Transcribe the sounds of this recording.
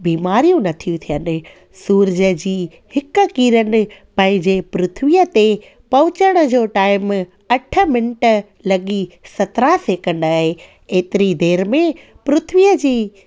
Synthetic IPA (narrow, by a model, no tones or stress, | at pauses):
biːmaːɾijũnɐt̪ʰijũt̪ʰijənɪ̆ | suːɾd͡ʑəd͡ʑiː | hɪkkiːɾənɪ̆pɐ̃ɦɪ̃ɲd͡ʑepɾʊt̪ʰʋijət̪e | pɐʋʊt͡ɕəɽ̃əd͡ʑoːʈaːɪm | ɐʈʰə̆mɪnʈə | lɐɠisɐt̪ɾaseːkɐnaːɦe | eːt̪ɪɾid̪eːɾmẽ | pɾʊt̪ʰʋijəd͡ʑiː